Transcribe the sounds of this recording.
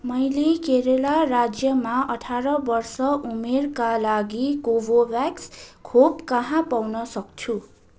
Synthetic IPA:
mʌjlekeɾelaɾad͡zjʌmaʔʌʈʰaɾʌbʌrsʌʔumerkalaɡiɡobobjakskʰobkʌɦãpawnʌsʌk̚t͡sʰu

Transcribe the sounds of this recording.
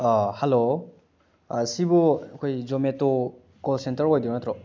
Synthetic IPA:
halo | sibɔakʰojzɔmetɔ | kɔlsentəɾojdiɔnatɾɔ

